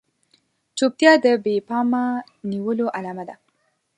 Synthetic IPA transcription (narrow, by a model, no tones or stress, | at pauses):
t͡ʃop̚t̪jɑd̪əbepɑma | niwəloʔalɑmad̪a